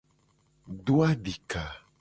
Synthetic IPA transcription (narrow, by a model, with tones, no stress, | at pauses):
ɖo˦a˦ɖi˨ka˨